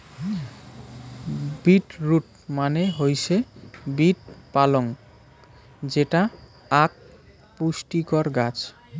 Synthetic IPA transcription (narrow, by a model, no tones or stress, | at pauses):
biʈɾuʈ | maneɦojsʰebiʈ̚paloŋ | d͡ʑeʈa | ak̚ | pusʈikɔɾɡat͡ɕʰ